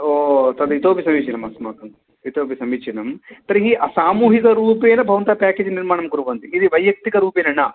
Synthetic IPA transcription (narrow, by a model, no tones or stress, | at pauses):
oːt̪ɐd̪it̪oːpisɐmiːt͡ʃʰɐnɐmɐsmaːkɐm | it̪oːpisɐmit͡ʃʰɐnɐmt̪ɐɾiɦiʔɐsaːmuːɦikɐɾuːpeːnɐbʱɐʋɐnt̪apaːkeːd͡ʒniɾmaːɳɐmkuɾuʋɐnt̪iid̪iʋɐjːɐk̚t̪ikɐɾuːpeːnɐnɐ